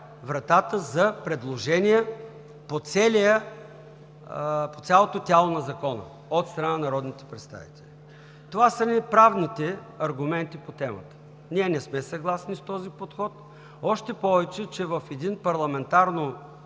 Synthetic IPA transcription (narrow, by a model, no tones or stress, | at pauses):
vɾɐt̪at̪əzɐpɾɛd̪lˠoʒɛnijɛ | pot̪sʲɛlʲijə | po̥t̪sʲjalˠot̪ot̪ʲjalˠonɐzɐkɔnə̰ | ot̪st̪ɾɐnanɐɾɔd̪nit̪ɛ̥pɾɛt̪st̪a̰vḭt̪ɛlʲi | t̪ovasənipɾavnit̪ɛ | ɐɾɡʊmɛnt̪ipot̪ɛmə̰t̪ə̥ | niɛnɛsmɛsɐɡlˠasnist̪ɔzipot̪xɔt̪ | ɔʃt̪ɛpɔvɛt͡ʃɛt͡ʃɛvɐfɛd̪inpɐɾlˠɐmɛnt̪aɾno